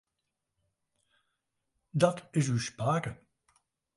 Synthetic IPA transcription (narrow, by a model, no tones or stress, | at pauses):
dɑtɪs̬ywspaːkə